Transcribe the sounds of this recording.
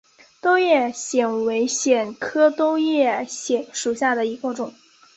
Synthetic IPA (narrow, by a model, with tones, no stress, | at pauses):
t̪o˥ʊjɛ˥˩ɕjɛ˨˩nwe˧˥ɪɕjɛ˨˩nkʰɤ˥t̪ʊ˥ʊjɛ˥˩ɕjɛ˨˩˥nʂu˨˩ɕja˥˩d̪ə˩i˧˥kə˥˧˩ʈ͡ʂʊ˨˩˦